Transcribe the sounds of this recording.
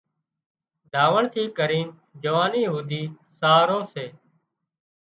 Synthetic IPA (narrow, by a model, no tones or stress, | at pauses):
d̪ʱaːʋəɳt̪ʰiːkəɾiːn | d͡ʒəʋaːniːɦuːd̪iː | saːɾoːseː